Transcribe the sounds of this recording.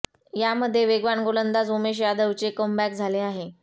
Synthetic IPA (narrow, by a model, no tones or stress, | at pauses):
jaməd̪ʱːjeʋeɡʋaɳɡolənd̪ad͡zomeɕ̬jad̪əʋt͡ɕekəmbæk̚d͡zʱaleaɦe